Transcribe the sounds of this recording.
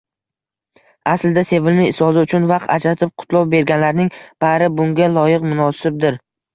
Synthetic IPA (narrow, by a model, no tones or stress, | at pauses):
asld̪ase̞vɪlmɪɪsɒzɪʊt͡ʃʰʊnvɑqt̪ad͡ʒɾat̪ʰɪp̚qʰʊ̥t̪ʰlˠɒwbe̞ɾɡʲanlaɾnɪŋb̥aɾɪbʊŋɡʲalˠɒjɪqmʊnɒsɪp̚d̪ɪɾ